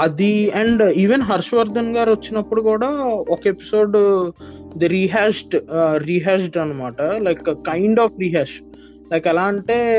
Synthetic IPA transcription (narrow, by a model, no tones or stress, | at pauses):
ɐd̪iɐɳɖiːʋenɦɐɾʃʋɐɾd̪ɐnɡaːɾʋɐt͡ʃːinɐpːuɽukuːɽaːɔkɐepi̥so̞ːɖ | d̪ɐɾiːɦaːʃʈɾiːɦaːʃʈɐnːɐmaːʈɐlɐjkːɐjɳɖaːfɾiːɦaːʃ | lɐjkɛlaːɐɳʈe̞ː